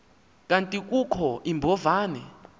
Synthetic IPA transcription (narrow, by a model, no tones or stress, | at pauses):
k̬ʼantʼik̬ʼukʰɔʔimbʱɔvaːnɛ